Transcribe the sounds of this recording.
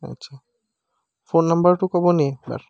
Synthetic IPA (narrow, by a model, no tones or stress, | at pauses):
a̰tːɕʰa | fonːambɐɾʈukɔbonieba̰ɾ